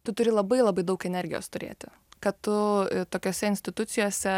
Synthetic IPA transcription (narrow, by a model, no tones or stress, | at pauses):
t̪ʊt̪ʊɾʲɪlˠɐbɐɪlˠɐbɐɪd̪ɐʊkɛnʲɛɾʲɡʲɪjo̰ːst̪ʊɾʲḛːt̪ʲɪ | kɐtt̪ʊt̪oːkʲoːsʲɛɪnʲsʲt̪ʲɪt̪ʊt̪sʲɪjoːsʲɛ